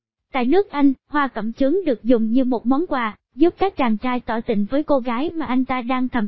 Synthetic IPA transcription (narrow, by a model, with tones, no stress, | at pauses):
t̪a̰ː˧˨jnɨ˦˥ək̚ʔa˧jŋ̟hwaː˧kə̰˧˩mt͡ɕɨ˨˦ŋɗɨ˨˩ək̚zʊ˨˩ŋ͡mɲɨ˧mo˨˩t̚mɔ˨˦nkwaː˨˩ | zu˦˥p̚kaː˦˥k̚t͡ɕaː˨˩ŋt͡ɕaː˧jt̪ɔ˧˩t̪ï˧˨ŋ̟vəː˨˦jko˧ɣaː˨˦jmaː˨˩ʔa˧jŋ̟t̪aː˧ɗaː˧ŋt̪ʰə˨˩m